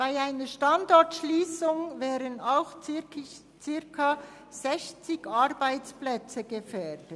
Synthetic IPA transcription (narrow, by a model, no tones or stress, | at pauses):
b̥aɪaɪnəʃtɑndɔɹtʃliːsʊŋvɛːɾənaʊxt͡sɪ | t͡sɪɾkʰa | z̥ɛçt͡sɪɡɑɾbaɪt͡splɛt͡səɡəfœd̥ə